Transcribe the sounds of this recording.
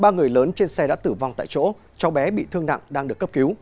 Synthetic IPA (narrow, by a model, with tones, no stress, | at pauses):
ɓaː˧ŋɨ˨˩əjləː˨˦nt͡ɕe˧nsɛ˧ɗa̰ː˧˥t̪ɨ˧˩va˧wŋ͡mt̪a̰ː˧˨jt͡ɕo̰˧˥ | t͡ɕɔ˨˦wɓɛ˨˦ɓḭ˧˨t̪ʰɨ˧əŋna̰˧˨ŋɗaː˧ŋɗɨ˨˩əkːə˦˥p̚ki˨˦w